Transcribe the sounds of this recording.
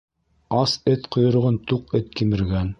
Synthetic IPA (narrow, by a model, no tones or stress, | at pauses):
ɑsɘt̪qŏjŏɾ̆ʁɤnt̪uqɘt̪̚kimɘ̆ɾɡæn